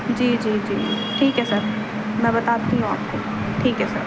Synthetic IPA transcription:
d͡ʒiːd͡ʒiːd͡ʒiː | ʈʰiːkɦɛsɐɾ | mɛ̃bɐt̪aːt̪iɦũa̰ːp̚ko | ʈʰiːkɦɛsɐ̰ɾ

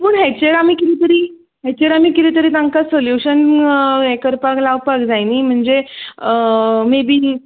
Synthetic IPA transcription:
puːɳɦet͡ɕeɾamiːkit̪iːt̪əɾiː | ɦet͡ɕeɾamiːkit̪iːt̪əɾiːt̪aŋkasoljuɕənekəɾpaklaʋpakd͡zajniːm̤əɳd͡ze | mebʱiː

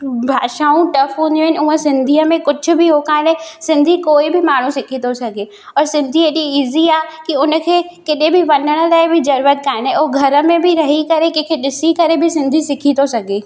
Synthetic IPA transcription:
bʱaːʃaːũʈɐfũniũɪnʊɦə̃sɪ̃nd̪ʱiːəmẽkʊd͡ʒʱʊ̆bɪɦokaːɪnesɪ̃nd̪ʱikoːɪbɪmaːɳ̤ũsɪkʰit̪osɐɡʱe | ɔːɾsɪ̃nd̪ʱiːəd͡ʑiiːziaːkiʊnə̆kʰeːkɪɗẽbɪʋɐnəɽ̃ʊ̆laːɪbʱɪzɐɾuːɾət̪̚kaːɪnẽoɦɡʱɐɾə̆mẽbʱɪɾɐɦikɐɾekẽkʰeɗɪsikɐɾebʱɪsɪ̃nd̪ʱisɪkʰint̪osɐɡʱe

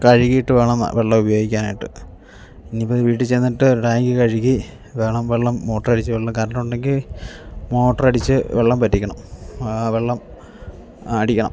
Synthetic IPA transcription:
kɐɻiɣijiʈːɨʋeːɳɐm̰ʋʔeɭːɐmubɐjo̞ːɡikʲːaːnaːjiʈːɨ | inːipːoʋiːʈ̬ːɨt͡ɕe̞jnːiʈːɨɖaːjŋɡɨkɐɻiɣi | ʋeːɳɐmʋeɭːɐmːo̞ːʈːɐrɐɽit͡ɕːɨʋeɭːɐmkɐɾɐɳɐuɳɖeŋɡil | mo̞ːʈːɐrɐɽit͡ɕːɨʋeɭːɐmpɐtːikʲːɐɳɐmʋe̞ɭːɐm | ɐɽikʲːɐɳɐ̰m

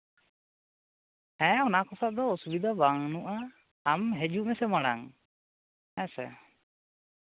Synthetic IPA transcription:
hɛ̃ɔnakɔsad̪ɔɔsubid̪ʱabaŋnuʔaː | mɦɛd͡ʒumɛsɛmaɽaŋ | hɛ̃sɛ̰

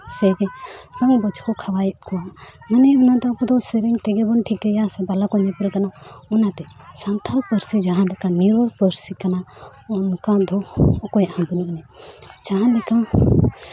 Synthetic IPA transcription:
sɛɡɛkaŋbət͡ʃʰkɔkʰawajɛt̪̚kɔwamanɛunat̪ɛɔkɔd̪ɔsɛɾɛnt̪ɛɡɛbɔnʈʰikɛjasɛbalakɔjnɛpɛɾɛkanaunat̪ɛ | sant̪ʰalpəɾsid͡ʒaɦãlɛkaniɾbɔɾpəɾsikana | ɔnkad̪ʱɔɔkɔjaʔhabinuʔnɛd͡ʒaɦãlɛka

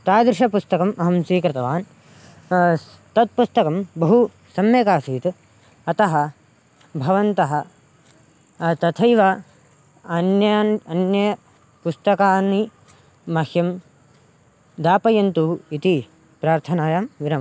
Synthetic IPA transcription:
t̪aːd̪ɾɪʃɐpust̪ɐkɐmʔɐɦɐmsiːkɾɪt̪ɐʋaːn | t̪ɐt̪̚pust̪ɐkɐmbɐɦu | sɐmjɐkaːsiːt̪ | ɐt̪ɐɦɐ | bʱɐʋɐnt̪ɐɦɐ | t̪ɐt̪ʰɐjʋɐ | ɐnjɐnɐnjɐ | pust̪ɐkaːnːi | mɐhjɐm | d̪aːpɐjɐnt̪uit̪i | pɾaːɾt̪ʰɐnaːjaːmʋiɾɐm

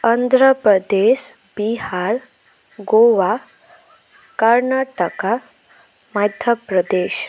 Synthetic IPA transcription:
ənd̪ʱɾəpɾəd̪eɕ | bihaɾ | ɡoʋa | kəɾnaʈəka | məd̪ʱjəpɾəd̪eːɕ

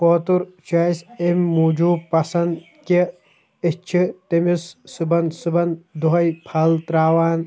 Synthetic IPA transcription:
poːt̪uɾt͡ʃɐisemːuːd͡ʒuːpɐsɐnd̪ | ki | it͡ʃʰit̪emissubɐnd̪sɨbɐnd̪uɦɐjpʰɐlt̪ɾaːʋaːn

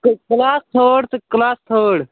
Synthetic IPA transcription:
kklaːst̪ʰoːɽt̪ɨklaːst̪ʰoːɽ

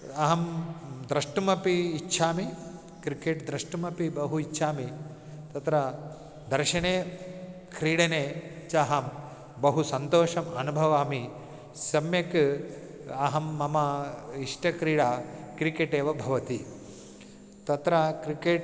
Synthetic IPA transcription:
ɐɦɐmd̪ɾɐʂʈumɐpiːtːʃʰaːmi | kɾikeːʈd̪ɾɐʂʈɐmɐpibɐɦuitːʃʰaːmi | t̪ɐt̪ɾɐ | d̪ɐɾʃɐɳeː | kɾiːɽɐneːt͡ʃaɦɐm | bɐɦusɐnt̪oːʂɐmɐnubʱɐʋaːmi | sɐmjɐk | ɐɦɐmːɐmɐiʂʈɐkɾiːɽaːkɾikeːʈeːʋɐbʱɐʋɐt̪i | t̪ɐt̪ɾɐkɾikeːʈ

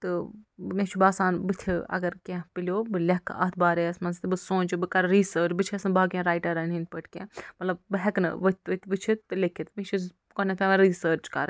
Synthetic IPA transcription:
t̪ɨmet͡ʃʰibaːsaːnbɨt̪ʲʰiɐ̰ɡɐɾkẽpilʲjoːbɨlʲɐkʰːɐ̰t̪̚ʰbaːɾeɐsmɐnst̪ibɨsõːnt͡ʃibɨkɐɾɾiːsəːɾt͡ʃbɨt͡ʃʰiɐsɨnbaːkʲẽɾaːjʈɐɾɐninpəʈʰkʲẽːmɐt̪lɐbbɨɦɐknɨ̰ʋɨt̪ʲʋɨt̪ʲbɨt͡ʃʰit̪ːɨlekʰit̪met͡ʃʰi | konɐt̪ʰẽʋɐɾiːsəːɾt͡ʃkɐ̰ɾ

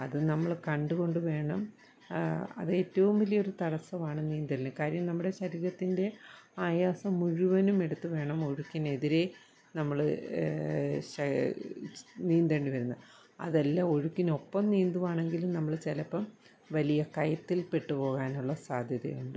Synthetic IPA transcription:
ɐðɨnɐmːɐɭkɐɳɖuɣo̞ɳɖɨʋe̞ːɳɐm | ɐ̰ðɨeːtːɐʋumʋɐlijoɾut̪ɐɽɐsːɐʋaːɳɨniːnd̪ɐɾnːɨkaːɾjɐmnɐmːuɽe̞ɕɐɾiːɾɐt̪ːinde̞aːjaːsɐmuɻuʋɐnume̞ɽut̪ːuʋe̞ːɳɐmo̞ɻukʲːine̞ðiɾe̞ | nɐmːɐɭɨ | ɕɐ | niːnd̪ɐɳɖiʋɐɾunːɐ | ɐ̰ðɐlːɐo̞ɻukʲːino̞pːɐmniːnd̪uʋaːɳe̞ŋɡilumnɐmːɐɭt͡ɕelɐpːɐm | ʋɐlijɐkɐjɐt̪ːilpe̞ʈːupo̞ːɣaːnuɭːɐsaːd̪ʱjɐðɐ̰juɳɖɨ

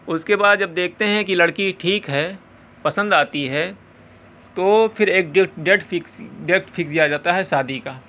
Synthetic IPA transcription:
ʊskebaːd̪d͡ʒɐb̚d̪eːk̚ʰt̪eɦɛ̃kilɐɽkiʈʰiːkɦɛː | pɐsə̃nd̪aːt̪iɦɛ | t̪oːpʰɪɾeːk̚ɖɪʈɖeːʈfɪkɖeːk̚ʈfʰɪksijad͡ʒaːt̪aɦɛsaːd̪ʱikaː

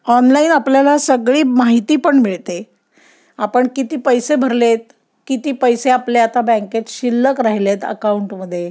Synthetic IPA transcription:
ɔnlainapljalasəɡɭiːmaɦit̪iːpəɳmiɭt̪e | apəɳkit̪iːpəjsebʱəɾlet̪̚ | kit̪iːpəjseapleat̪abɛ̃ŋket̪ɕilːəkɾaɦilet̪ə̰kauɳʈməd̪ʱːje

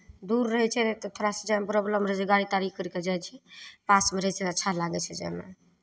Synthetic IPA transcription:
d̪uɾːəɦɛt͡ʃʰɛt̪ɔt̪ʰoɾasəd͡ʒɛmbɾɔbləmɾəd͡ʒeɡaɽit̪aɾikʰkəɾked͡ʒajt͡ʃʰɛpasmeɾəɦɛt͡ʃʰɛətːʃʰalaɡɛt͡ʃʰɛd͡ʒɛ̰mḛ

